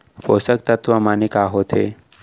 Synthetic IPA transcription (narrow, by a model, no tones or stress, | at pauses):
foːsək̚t̪ɐt̪ʋamanikaːɦoːt̪ʰeː